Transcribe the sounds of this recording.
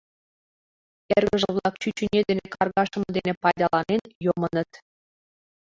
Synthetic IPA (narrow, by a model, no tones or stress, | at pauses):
erɣə̆ʒə̆βlˠɑk̚t͡ɕyt͡ɕynʲed̪enekɑrɣɑʃə̆mɤ̆d̪enepɑjd̪ɑlɑnenjomənə̆t̪